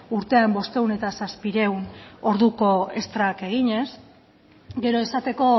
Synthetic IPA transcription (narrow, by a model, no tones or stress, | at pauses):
uɾt̪e̞ambo̞st̪e̞ɣune̞t̪asaspiɾe̞wno̞ɾðuko̞e̞st̪ɾake̞ɣ̞iɲe̞s | ɡe̞ɾo̞e̞sat̪e̞ko̞